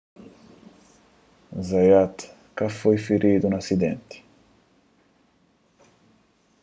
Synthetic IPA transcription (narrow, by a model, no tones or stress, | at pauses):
zajat̪ | kafojfiɾʔid̪unasid̪ɛ̰nt̪i̥